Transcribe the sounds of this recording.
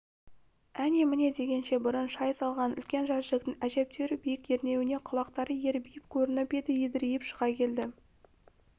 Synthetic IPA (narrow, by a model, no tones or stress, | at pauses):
ænemɪne̞d̪e̞ɡʲe̞nʃe̞bʊɾənʃɑjsɑlˠʁɑnʏ̰lkʲe̞nʒɑʒɪlɪk̚t̪ɪŋæʒe̞p̚t̪eɾɪbijɪkje̞ɾne̞wɪne̞qʰʊlˠɑq̚t̪ɑɾəje̞ɾbijɪp̚kʲʰɵɾɪnɪpe̞d̪ɪjed̪ɪɾijɪpʃəʁɑkʲʰe̞ld̪ɪ